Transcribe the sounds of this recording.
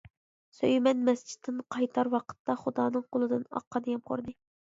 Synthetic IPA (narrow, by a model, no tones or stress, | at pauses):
søjmɛnmɛsd͡ʒi̥t̪ʰːɪnqʰɑjt̪ʰɑɾwɑqʰə̥t̪ːɑχud̪ɑːnɨŋqolˠɨd̪ɨnɑ̰qːɑd̪ɨjɑmqʰo̰ɾd̪ɨ